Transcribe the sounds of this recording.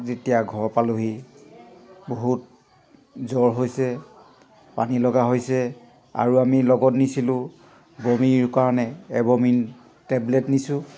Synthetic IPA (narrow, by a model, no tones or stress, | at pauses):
zetijaɡʱɔɹpaluɦi | boɦut | zɔɹɦojsɛ | panilɔɡaɦojsɛ | a̰ɹuamilɔɡɔtnisilʊ̃ | bomiɹkaɹɔnɛːbomin | tɛblɛtnisʊ̃